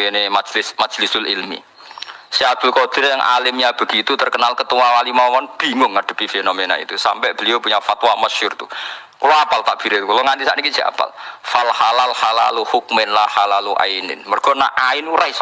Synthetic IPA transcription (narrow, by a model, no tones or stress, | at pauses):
kenemḁd͡ʒlɪsmḁd͡ʒ̥lɪsʊlilmḭ | siad̪̥ʊ̤lkod̪̥ɪ̤ɾjaŋʔa̰lɪmɲab̥ə̤ɡ̥it̪ut̪ərkənalkət̪uwawalimawɔnb̥i̤ŋʊŋːəɖ̥ə̤pifenomena̰ḭt̪usampɛʔb̥ə̤liobuɲafat̪waməʃʊrt̪u | kuloapalt̪aʔb̥i̤ɾet̪ukuloŋant̪isa̰ʔnikid̥d͡ʒ̥ia̰pa̰lfalhalalhala̰luhuk̚mɪnlahalaluʔa̰inɪ̰nmərɡ̥ɔna̰ʔaɪnuɾais